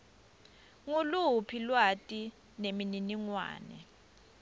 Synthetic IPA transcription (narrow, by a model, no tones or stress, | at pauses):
ŋulupʰilwatʼi | nemininiŋwa̰ːnɛ̰